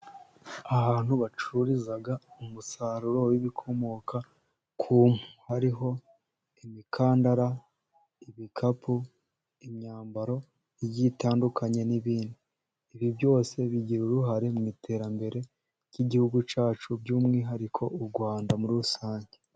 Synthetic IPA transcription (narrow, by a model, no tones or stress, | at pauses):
aβaːn̥huβat͡ʃuɾizaɡaumusaɾuɾo̞wiβikʰo̞mo̞ka | kʰuːmhuhaɾiɦo̞ | imikʰaːndaɾa | iβikʰapʰu | imɲaːmbaɾo̞ | iɟitaːndukʰaɲe̞niβiːndiː | βibjo̞ːse̞βiɟiɾuɾuɦaɾe̞mŋiːtʰe̞ːɾambe̞ɾe̞ | ciɟihuɡut͡ʃaːt͡ʃubɟuːmŋiːɦaɾikʰo̞uɾɡwaːndamuɾusaːɲɟe̞